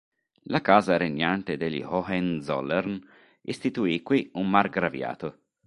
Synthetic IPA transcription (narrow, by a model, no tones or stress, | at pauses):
lakaːzaɾeɲːant̪ed̪eʎḭhɔhɛnzɔ̰lern | ist̪it̪uikːwiummarɡɾavja̰ːt̪o